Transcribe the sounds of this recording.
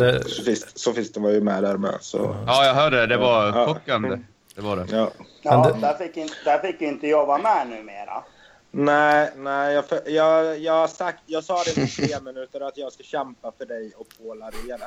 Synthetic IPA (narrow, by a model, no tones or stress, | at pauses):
dɛsɔfɪssɔfɪskt̪ɛnvaɾjəmɛːd̪æːɾmɛ̰ːsɔ̰ɑːjjɑɡɦœːɖəd̪ɛvaːɧɔkːanə | d̪̥ɛvaɖɛɑːd̪æfɪkjɪnd̪æɾfɪkːd̪ɪɪnt̪əjɔbːamɛnʉ̟ːmḛːɾa̰ | næɪnæɪjɑːfjɑːɡjɑːɡhasak̚t̪jɑːɡsɑːd̪ɛɪnət̪ʰeːmɪnʉ̟ːt̪əɾat̪jɑːɡskaɕɛmpafœɖɛjɔpʰoːlaɾɪjad̪ɛ